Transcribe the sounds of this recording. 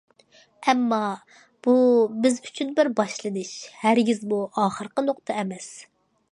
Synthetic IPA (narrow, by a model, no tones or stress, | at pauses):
ɛmːɑ | b̥ubɪzy̥t͡ʃʰynbɪɾbɑʃlˠɨnɨʃhæɾɡʲizmuɑːχəɾqənoqt̪ʰɑɛmɛs